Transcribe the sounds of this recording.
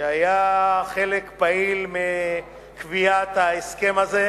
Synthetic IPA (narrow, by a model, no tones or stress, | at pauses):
eajaχelekpailme | kvijat̪aeske̞maze